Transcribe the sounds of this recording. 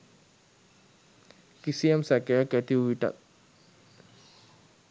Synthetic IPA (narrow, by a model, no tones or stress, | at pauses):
kisijamsækejakæt̪iuʋiʈa̰t̪̚